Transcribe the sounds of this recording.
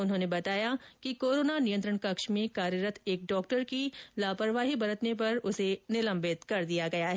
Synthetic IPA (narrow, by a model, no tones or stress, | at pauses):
ʊnɦõːnebɐt̪aːjakikoːɾoːnanijə̃nt̪ɾəɳ̃kɐkʃmẽkaːɾjəɾət̪ʰeːk̚ɖɔːk̚ʈəɾkilaːpəɾʋaːɦibɐɾət̪nep̬ɐɾʊsenɪlə̃mbɪt̪kɐɾd̪ijaɡɐjaɦɛː